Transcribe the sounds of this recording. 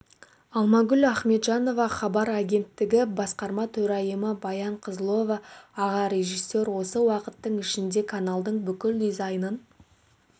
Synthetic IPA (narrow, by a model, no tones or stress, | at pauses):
ɑlˠmɑɡʲʏlæχme̞t̪ʒɑno̞vɑχɑbɑɾaɡʲe̞nt̪ːɪɡʲɪbɑsqɑɾmɑt̪ʰɵɾɑjəməbɑjɑɴqʰəzlˠo̞vɑːʁɑɾʲe̞ʒisːe̞ɾwo̞səwɑqət̪ːəɴɪʃɪnd̪e̞kʰanalˠd̪əɴbʏkʲɪld̪izɑjnən